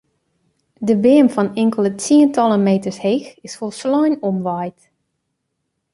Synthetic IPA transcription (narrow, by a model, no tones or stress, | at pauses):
dəbɪəmfɔnɪŋkəlˠətiəntɑlˠəmejtəɹshexɪsfolˠslɔjnɔmʋajt